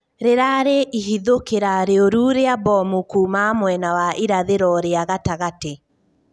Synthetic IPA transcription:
ɾeɾaɾeʔiɦiðokeɾaɾeoɾuːɾeabɔmukuːmamwɛnawaʔiɾaðeɾɔɾeaɣataɣate

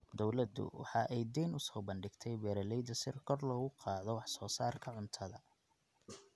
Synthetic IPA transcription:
d̪ɔwlɐd̪ʊ̰wɑ̰ħɑːʔɛjd̪ɛːnʔʊsɔːbɐnɖɪɡt̪ʰɛjbɛːɾɐlɛjd̪ɐsɪrkʰɔrlɔːɣʊqɑːðɔwɑħsɔːsaːrkʰɐʕʊnt̪ʰɐðɐ

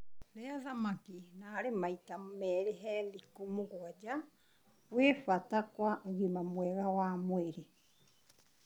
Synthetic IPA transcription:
ɾɛaðamakinaːɾemaitamɛɾeɦɛlikomoɣwad͡ʒa | wefatakwaoɣimamwɛɣawamweɾe

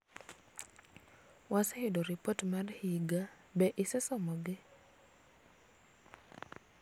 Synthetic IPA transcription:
wasɛhidoɾipotmarhiɡa | bɛʔɪsɛsɔmɔɡɪ

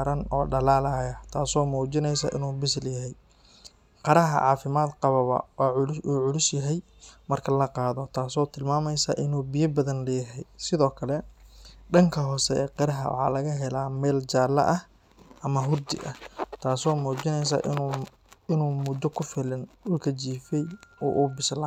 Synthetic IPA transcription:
ɾɐnɔ̰ːɖɐlaːlaːjɐt̪ʰaːsɔːmuːd͡ʒɪnɛjsɐ̰ʔɪ̰nuːbɪsɪljɐɦɛj | qɑɾɐɦɐ̰ʕɑːfɪmaːd̪qɑβɐβɐ̰waʕʊuːʕʊlʊsjɐɦɛj | mɐrkʰɐlɐqɑːðɔt̪ʰaːsɔːt̪ʰɪlmaːmɛjsɐʔɪnuːbɪjɐbɐðɐnlɛːɦɛjsɪðɔːkʰɐlɛɖɐŋkʰɐɦɔːsɛɛ̰ːqɑɾɐɦɐ̰wɑ̰ħɑ̰ːlɐɣɐɦɛlaːmɛːlt͡ʃaːlɐ̰ʔɐh | ʔɐmɐɦʊrd̪ɪ̰ʔɐ̰t̪ʰaːsɔːmuːd͡ʒɪnɛjs̬a̰ʔɪ | ɪnuːmʊd̪ɔkʰʊfɪlɪnʊlkʰɐt͡ʃiːfɛjɔ̰ːʔuːbɪsla

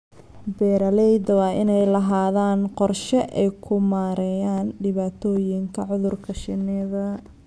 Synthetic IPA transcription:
bɛːɾɐlɛjd̪ɐwɑːʔɪnɛjlɐɦaːðaːnqɔrʃɛʔɛjkʰʊmaːɾɛjaːnɖɪβaːt̪ʰɔːjɪŋkʰɐʕʊðʊrkʰɐʃɪnɪðɐ

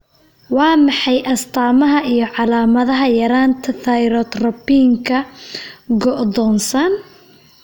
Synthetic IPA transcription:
wɑːmɑħɑjʔɐst̪ʰaːmɐɦɐʔijɞʕɑlaːmɐðɐɦɐjɐɾaːnt̪ʰɐθɐjɾɔːt̪rɔpiːŋkʰɐ | ɡɔʔd̪ɔːnsɐn

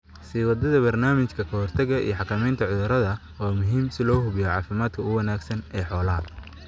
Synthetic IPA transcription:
siwɐd̪ɐðɐbɐrnaːmɪt͡ʃkʰɐkʰɐhɔrt̪ʰɐɣɐʔḭjɔħɑkʰɐmɛjnt̪ʰɐʕʊðʊɾɐðɐ | waːmʊɦiːmsɪlɔːɦʊβɪjɔʕɑːfɪmaːd̪kʰɐʊwɐnaːɡsɐnɛːħɔːlɐɦɐ

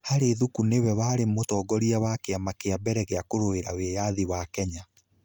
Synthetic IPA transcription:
haɾeːðukunewɛwaːɾemotɔːɡɔɾiawakeamakeabɛɾɛɣeakoɾoeɾawejaðiwakɛɲa

